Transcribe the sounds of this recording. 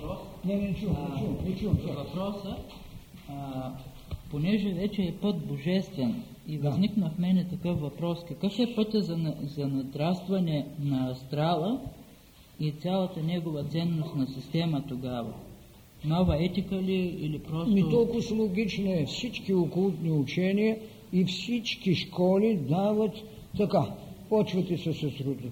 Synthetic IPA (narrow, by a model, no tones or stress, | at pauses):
nɛt͡ʃuunɛt͡ʃuvɐpɾɔsə | ponɛʒɛvɛt͡ʃɛːpɤt̪̚boʒɛst̪vɛn | ivɐzniknɐfmɛnɛt̪ɐkɤfvɐpɾɔskɐkɤfɛpɤt̪ʲəzɐzɐnɐt̪ɾast̪vɐnɛnɐɐst̪ɾalˠə | it̪sʲalˠɐt̪ənɛɡovɐt̪sɛnːost̪nɐsist̪ɛmət̪oɡavɐ̰ | novɐɛt̪ikəliilipɾɔstmit̪ɔlˠkʊslˠoɡʲit͡ʃnoɛfsit͡ʃkiokolˠut̪niut͡ʃɛnijɐ | ifsit͡ʃkiʃkɔlid̪avɐt̪ː | ɐkapɔt͡ʃvɐt̪ɛsɛsɐsɾud̪